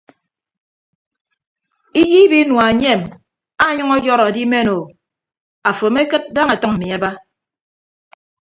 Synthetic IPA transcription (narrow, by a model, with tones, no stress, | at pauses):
i˦ji˦bi˦nwa˨ɲe˦˨m | a˦ɲʌ˦ŋɔ˦jɔ˦ɾa˨di˦me˦no˨ | a˨fo˨me˦kɨ˦t̚da˦ŋa˨tɔ˦ŋa˨mi˨a˦ba˦